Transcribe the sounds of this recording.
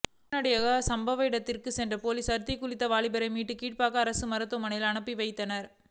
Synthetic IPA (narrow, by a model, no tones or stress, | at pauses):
nɐɽɐjɐɣɐsɐmbɐʋɐɪɽɐt̪ːɪrkɯsɛndrɐpoːlisɐɾt̪ɪkːʊɭɪt̪ːɐʋaːɭɪbɐɾɐɪmiːʈːɯkiːʈ̚paːɣɐːɾɐsɯmɐɾɐt̪ːɐmɐnɐjɪlɐɳɐpːiʋɐɪt̪ːɐnɐɾ